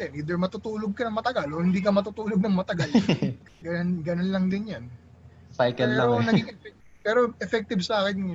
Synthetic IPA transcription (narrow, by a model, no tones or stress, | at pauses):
ɛnʔiːd̪ɛɹmɐt̪ut̪uːloɡ̚kɐnɐŋmɐt̪ɐɡalʔohɪnd̪iːkɐmɐt̪ut̪uːloɡ̚nɐŋmɐt̪ɐɡal | ɡɐnɡɐnonlɐŋd̪ɪnjan | pajkɛllanɐɡiŋɛfɛ | pɛːɾoʔɛfɛk̚t̪ɪbsɐaːkɪnɐj